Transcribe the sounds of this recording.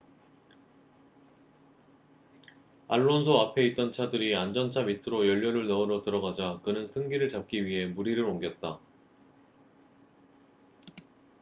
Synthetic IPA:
aɭːonsʰoapʰe̞it̚t͈ʌnt͡ɕʰadɯɾiand͡ʑʌnt͡ɕʰamitʰɯɾojʌʎːʌɾɯɭnʌɯɾʌtɯɾʌɡad͡ʑakɯnɯnsʰɯŋɡiɾɯɭt͡ɕap̚k͈iɥiɦe̞muɾiɾɯɾoŋɡjʌt̚t͈a

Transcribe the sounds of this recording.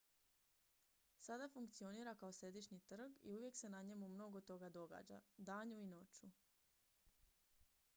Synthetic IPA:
sad̪afuŋkt̪sio̞niːɾakao̞sɾe̞d̪iʃɲit̪r̩ɡḭuʋje̞kse̞naɲe̞mumno̞ɡo̞t̪o̞ɡad̪o̞ɡa̰ːd͡ʒa̰d̪aːɲuino̞t͡ʃu

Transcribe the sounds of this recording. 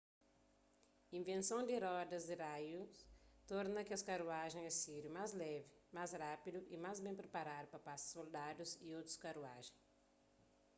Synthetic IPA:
ĩvẽnsɐ̃w̃d̪ɪɾɔd̪ɐzd̪ɪɾajʊst̪ɔɾnɐkɪɐskaɾuaʒẽj̃ɛsiɾjʊmazlɛvɪmajzɾapid̪ʊʔɪmajzbẽpɾepaɾad̪ʊpɐpasɐ̥sold̪ad̪ʊziowt̪ɾʊ̥skaɾua̰ʒẽj

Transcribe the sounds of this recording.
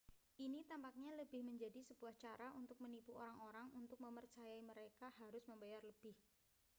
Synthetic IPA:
ʔinit̪ampak̚ɲaləbɪhməɲd͡ʒadisəb̥uaht͡ʃaɾaʔunt̪ʊk̚mənipuoɾaŋoɾaŋunt̪ʊk̚məmərt͡ʃajaiməɾekahaɾʊsməmbajarləb̥ɪh

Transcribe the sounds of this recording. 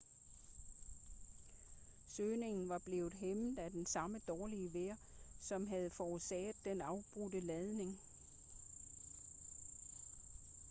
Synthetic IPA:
søːne̝ŋn̩ʋɑ̈b̥le̝ːʊð̩ˠɦemð̩ˠæd̥ensɑ̈məd̥ɒːliəʋeɐ̰ | sɒ̽mɦæð̞ˠfɒsɛ̰ːð̩ˠd̥enɑ̈ʊb̥ʁud̥əlɛð̞ˠne̝ŋ

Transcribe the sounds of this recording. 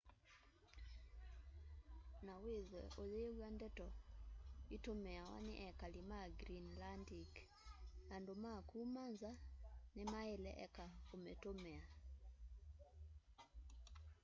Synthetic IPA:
naweðwɛ̰ʔoðewandɛtɔ | itomɛawa̰nɛ̰ʔɛkalimaɡɾinlandik | andomakumanzanemaelɛ̰ʔɛkaometomɛa

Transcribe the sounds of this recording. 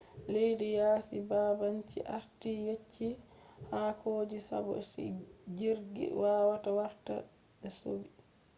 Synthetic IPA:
lejdijaːsibaːbaɲt͡ʃḭʔa̰ɾtijet͡ʃːi | haːkʰoːd͡ʒisa̰bɔ̰sḭd͡ʒiɾɡḭwaːwatawaɾta | ɓɛso̰bi

